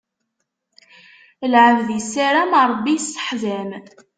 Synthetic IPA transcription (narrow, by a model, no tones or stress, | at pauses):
əlʕəvðjsæɾæmɾˤbːijsːə̥ħðæm